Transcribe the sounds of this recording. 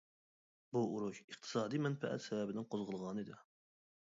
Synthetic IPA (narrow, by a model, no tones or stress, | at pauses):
buuɾuʃɨq̚t̪ʰɨ̥sɑːd̪imɛnfɛ̰ʔɛ̰t̪sɛvɛbɪnɪŋqʰozʁəlˠʁɑnɨd̪ɪ